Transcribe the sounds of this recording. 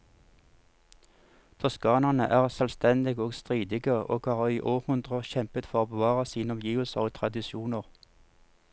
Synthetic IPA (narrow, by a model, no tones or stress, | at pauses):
t̪ʰɔskɑːnɑnəʔæːʁsœlst̪ɛnd̪ɪɡoːɡst̪ʁiːd̪ɪɡəo̰ːɡhɑːʁiːʔoːʁhʉnd̪ʁəçɛmpət̪fɔʁoːbəʋɑːʁɑsiːnɔmjiːʋl̩səʁoːt̪ʰʁɑd̪ɪʃuːnəʁ